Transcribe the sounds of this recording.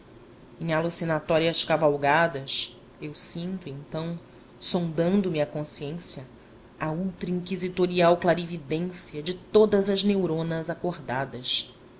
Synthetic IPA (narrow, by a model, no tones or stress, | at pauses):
ẽj̃alusinat̪ɔɾiɐskavawɡad̪ɐs | ewsĩnt̪uẽnt̪ɐ̃w̃ | sõd̪ɐ̃nd̪ʊmɪɐkõsiẽsjɐ | auwt̪ɾɐĩŋkizit̪oɾiawklaɾivid̪ẽsiɐd͡ʒɪt̪od̪ɐzɐznewɾõnɐzakoɾd̪ad̪ɐs